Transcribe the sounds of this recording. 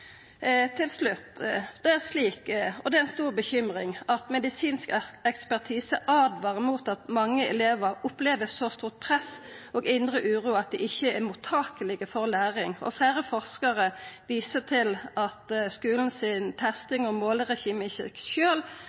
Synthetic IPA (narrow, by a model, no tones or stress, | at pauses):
t̪ʰɪlslʉt̪ːd̪̥ɛæʁsliːkɔd̪ɛæɪnst̪uːʁbəçʏmʁɪŋɑt̪mɛd̪ɪsiːnskɛkspæʁt̪ʰiːsəʔɑd̪ʋɑːʁəmuːt̪ɑt̪mɑŋːəɛleːʋəɾʊpleːʋəsɔst̪uːʁt̪̚pʰʁɛsɔɡɪnd̪ɾəʔʉːʁuːɑt̪̚d̪ɛʔɪçːəæmut̪ʰɑːkəlɪɡəfɔʁlæːʁɪŋɔ̰flæːɾəfɔʁskɑʁəʋiːsət̪ʰɪlɑt̪skʉːln̩sɪnt̪ʰɛst̪ɪŋɔmoːlʁɛçiːmɪçəkʃøːl